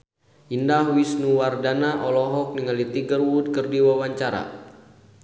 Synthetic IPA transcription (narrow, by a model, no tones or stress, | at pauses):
indahwisnuwardanaʔɔlɔɦɔk̚niŋalit̪iɡərwud̚kɨrdiwawaɲt͡ʃaɾa̰